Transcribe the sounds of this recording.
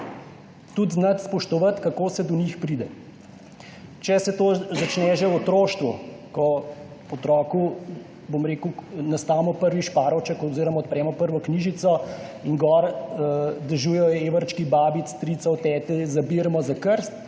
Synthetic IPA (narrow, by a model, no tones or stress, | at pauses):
t̪ud̪znɐt̪spɔʃt̪ɔʋɐt̪kakoːsɛd̪ɔnixpɾiːd̪ɛ | t͡ʃɛsɛt̪ozat͡ʃnɛʒɛwɔt̪ɾoːʃt̪ʋṵkɔ | ɔt̪ɾɔːku | bomɾeːkunast̪aːmɔpəɾʋiʃpaːɾɔt͡ʃɛkɔziːɾɔmaɔt̪̚pɾɛːmɔpəɾʋɔkniʒit̪sɔinɡɔɾ | d̪ɛʒuːjɛjɔeːʋəɾt͡ʃkibaːbit̪st̪ɾit̪sawt̪ɛːt̪ɛzabiɾmɔzakəɾst̪̚